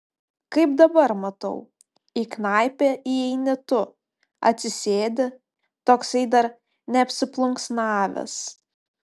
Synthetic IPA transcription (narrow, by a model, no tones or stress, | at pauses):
kɐɪp̚d̪ɐbɐɾmɐt̪ɐ̰ʊ | iːknɑˑɪpʲeːiːɛɪnʲɪt̪ʊ | ɐ̰t̪ʲsʲɪsʲeːd̪ʲɪ | t̪oːksɐɪd̪ɐɾ | nʲɛɐpʲsʲɪplˠʊŋksnɑːʋʲɛ̰s